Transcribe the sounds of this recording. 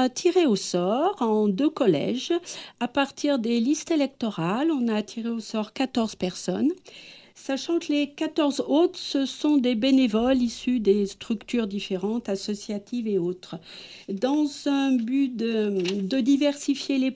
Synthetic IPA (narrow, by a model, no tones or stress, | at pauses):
t̪ʰiʁeosɔʁɑ̃d̪økɔlɛ̰ʒapaʁt̪ʰiʁd̪elist̪elɛk̚t̪ɔʁalɔ̃naːt̪ʰiʁeosɔʁkat̪ɔʁz̥pɛʁsɔnsaʃɑ̃kəlekat̪ɔʁzot̪səsɔ̃d̪ebenevɔlisyd̪est̪χykt̪yʁd̪ifeʁɑ̃t̪asɔsjat̪ʰiveot̪χ | d̪ɑ̃zɛ̃byd̪əd̪əd̪ivɛʁsifjele